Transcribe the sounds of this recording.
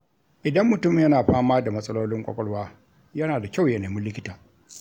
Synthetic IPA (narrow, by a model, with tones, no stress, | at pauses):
ʔɪ˨dɐ˦mːʊ˨tʊ˦mɪ˨jɐ˦naː˨ɸaː˦maː˦da˨mɐ˦sʼɐ˦loː˦lɪ˦ŋkʷʼɔ̰˦kʷʼɔ˦ɽwaː˦ | jɐ˦naː˨da˨kʲa˦˨wjɐ˨neː˨mɪ˦lɪ˦kʲɪ˦taː˨